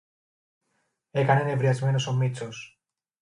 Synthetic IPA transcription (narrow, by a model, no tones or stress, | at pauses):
e̞kɐnenevɾiɐzme̞no̞so̞mit͡so̞s